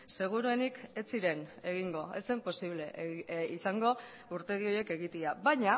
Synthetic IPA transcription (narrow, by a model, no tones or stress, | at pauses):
se̞ɣ̞uɾue̞nike̞t͡siɾe̞ne̞ɣ̞iŋɡo̞e̞t͡se̞mpo̞siβle̞isaŋɡo̞ | uɾt̪e̞ðio̞je̞ke̞ɣit̪iaβaɲa